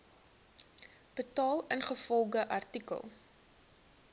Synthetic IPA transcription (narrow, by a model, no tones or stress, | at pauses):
b̥ətɑːlˠənχəfɔlˠɡəʔɐrtikə̰lˠ